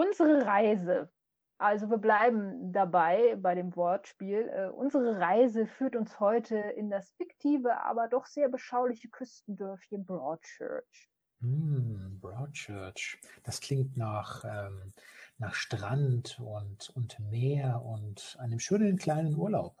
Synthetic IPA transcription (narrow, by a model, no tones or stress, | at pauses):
ʔʊnzəʁəʁaɪzə | ʔalzoviːɐblaɪbm̩dabaɪbaɪɾeːmvɔɐtʃpiːlʔɛːʔʊ̰nzəʁəʁaɪzəfyːɐtʊnshɔʏtʰəɪndasfɪktʰiːvəʔa̰ːbɐdɔχz̥eːɐbəʃaʊlɪçəkʰʏstn̩dœɐfçənbʁɔːtt͡ʃœ̰ɐt͡ʃ | m̩bʁɔʊtt͡ʃœɐt͡ʃd̥askl̥ɪŋ̚tnaːχʔɛːmnaːχʃtʁ̥antʊntʊntmeːɐʔʊntʔandəmʃøːnənkʰl̥aɪnənʔuːɐlaʊp̚